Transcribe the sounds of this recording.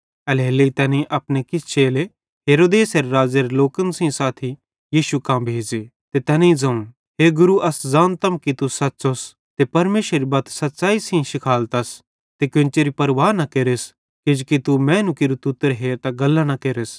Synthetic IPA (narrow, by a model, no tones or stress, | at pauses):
ɐlɦeːleit̪ɛːnẽʔɐpnekɪst͡ʃeːle | ɦeːɾoːd̪eːsɐɾeɾaːd͡ʒeɾeloːkənsĩsaːt̪ʰi | jiːʃukãːmbʱeːd͡ʒet̪et̪ɛːnẽĩd͡zɐ̃ũn | ɦeːɡʊɾuʔɐszãːnt̪ɐmkit̪usɐtːsos | t̪epɐɾmeːʃɾeɾibɐt̪ʰsɐt̪ːt͡ʃaːisĩʃɪkʰaːlt̪ɐs | t̪ekʊ̃nt͡ʃeːɾipɐɾʋaːɾnɐkeːɾes | ked͡ʒkit̪umɛ̃ːnũkeɾut̪ʊt̪ːəɾɦeːt̪aɡɐlːãnɐkeːɾes